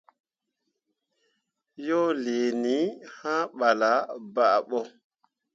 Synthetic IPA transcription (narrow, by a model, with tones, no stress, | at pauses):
jɔ˦le˨ni˨˦hã˦ɓa˨la˨˦ba˨ʔɓɔ˦